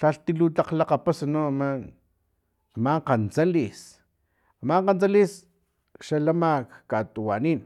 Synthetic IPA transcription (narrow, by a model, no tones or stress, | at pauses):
ʃaɬt̪ilut̪aqlaqapasanaama | amaqant͡salis | amaɴqant͡salis | ʃalamakkat̪uwaniːn